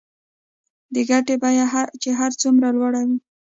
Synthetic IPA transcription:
d̪əɡaʈebajaat͡ʃeɦaɾt͡sumɾalwaɽawi

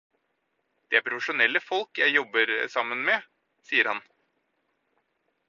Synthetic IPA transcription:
d̪̥ɛæɾpʰɾʊfəʂʊnɛlːəfɔlkjæɪjɔbːəɾsɑmːənme | siːəɾhɑn

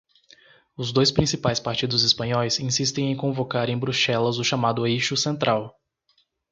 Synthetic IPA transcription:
ʊzd̪ojspɾĩsipajspaɾt͡ʃid̪ʊzispɐ̃ɲɔjsĩsist̪ẽj̃ẽj̃kõvokaɾẽj̃bɾuʃɛlɐzʊʃamad̪ʊejʃʊsẽnt̪ɾʔaw

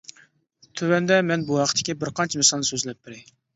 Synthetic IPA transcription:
t̪ʰøwɛnd̪ɛmɛnbuɦɑqʰət̪ʰːɪ̥kʲibɪɾqʰɑnt͡ʃʰɛmɪsɑlˠnɨsøzlɛp̚bɪɾɪ

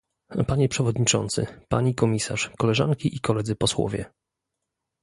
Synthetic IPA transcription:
paɲɛpʂɛvɔd̪ɲit͡ʂɔ̰nt̪sɘ̰pa̰ɲikɔmʲisa̰ʂkɔlɛʐa̰ŋkʲiʔikɔlɛd̪zɘpɔswɔ̰vʲjɛ̰

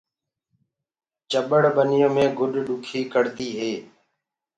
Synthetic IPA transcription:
t͡ʃəɓəɽɓənɪjõːmẽːɡʱʊɗɗʊkʰiːkəɽt̪iːɦeː

